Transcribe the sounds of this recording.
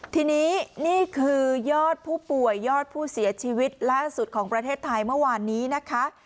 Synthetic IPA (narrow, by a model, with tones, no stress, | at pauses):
t̪ʰiː˧niː˦˥niː˥˩kʰɯː˧jɔː˥˩t̪̚pʰuː˥˩pu˨˩əjːɔː˥˩t̪̚pʰuː˥˩si˨˩˦ɐt͡ɕʰiː˧wi˦˥t̪̚laː˥˩su˨˩t̪̚kʰɔː˩˦ŋpɾa˧t̪ʰeː˥˩t̪ʰːa˧jmɯ˥˩ɐwaː˧nːiː˦˥na˦˥kʰa˦˥ʔ